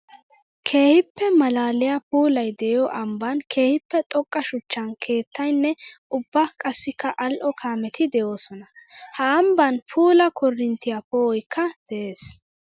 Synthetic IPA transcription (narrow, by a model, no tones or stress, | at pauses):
kʰe̞ːhɪpːɛmɐlaːlɪjapuːlɐjd̪ɛjɔʔɐmbɐnkʰe̞ːhɪpːɛt̪ʼɔkʼːɐʃʊt͡ʃːɐnkʰe̞ːt̪ːɐjnːɛʔʊbːɐkʼɐsːɪkːɐʔɐlʔɔkʰaːmɛt̪ʰɪd̪ɛjo̞ːsɔnɐhɐːmbɐnpʰuːlɐkʰɔrːɪnt̪ɪjapoɔjkʰːɐd̪̥ɛʔeːs